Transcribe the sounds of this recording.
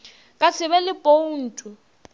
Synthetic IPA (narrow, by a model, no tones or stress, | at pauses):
kʼat͡sʰɪβɛlɪpʼon̩tʼʊ